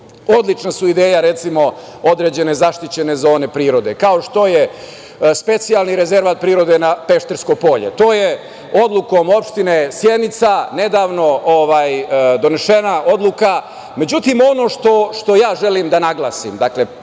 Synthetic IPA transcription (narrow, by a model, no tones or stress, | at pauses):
o̞d̪lˠit͡ʂnasuid̪eːjaɾet̪simo̞o̞d̪ɾed͡ʑe̞ne̞zaʃt̪it͡ɕe̞ne̞zo̞ːne̞pɾiːɾo̞d̪e̞kao̞ʃt̪o̞je | spe̞t̪sijalˠniɾeze̞ɾʋat̪̚pɾiːɾo̞d̪e̞napeʃt̪eɾskojpo̞ʎḛt̪o̞ːje | o̞d̪lˠuko̞mo̞pʂt̪ine̞sje̞d̪nit̪sane̞d̪aːʋno̞oʋaːjd̪o̞ne̞ʃe̞naʔo̞d̪lˠuka | me̞d͡ʑut̪imo̞no̞ʂt̪o̞ʃt̪o̞jaːʒe̞limd̪anaɡlˠaːsimd̪akle̞